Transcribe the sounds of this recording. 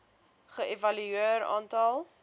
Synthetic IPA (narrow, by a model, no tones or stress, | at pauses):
χəevɐlyiəɾɑ̰ːntɐlˠ